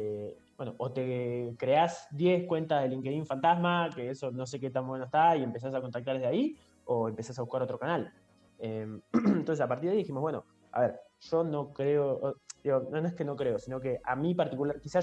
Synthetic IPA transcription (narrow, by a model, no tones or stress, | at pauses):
ebwe̞no̞ʔot̪e̞kɾe̞azd̪je̞skwe̞nt̪aðe̞liŋkeðiɱfant̪azmakeeso̞no̞s̬e̞ket̪ambwe̞noest̪aie̞mpe̞s̬as̬ako̞nt̪akt̪aɾleðeai | oempe̞sasaβuhkaɾo̞t̪ɾo̞kanal | ement̪onsesapaɾt̪iɾðiðiximo̞zβweno | a̰βe̞ɾʒo̞no̞kɾeood̪iɣononoeskeno̞kɾe̞o̞sino̞ke̞ʔa̰mipaɾt̪ikulaɾkisa